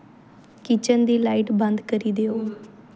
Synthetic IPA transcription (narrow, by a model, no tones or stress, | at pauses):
kit͡ɕənd̪iːlaiʈbə̃nd̪kəɾid̪eo